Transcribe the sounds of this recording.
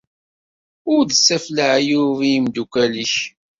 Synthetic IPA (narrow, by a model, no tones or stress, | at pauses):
ʊɾd̪əsːæflaʕjuvimd̪ukʷæliç